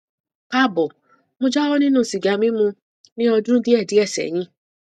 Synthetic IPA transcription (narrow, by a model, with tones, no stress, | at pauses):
ka˦˨bɔ˨ | mũ˧˦d͡ʒa˦wɔ˦nĩ˦nũ˦˨si˨ɡa˨˧mĩ˦mũ˧ | nĩ˦ɔ˧dũ˦di˦ɛ˦˨di˨˦ɛ˦˨sɛ̰˨j̃ĩ˨˦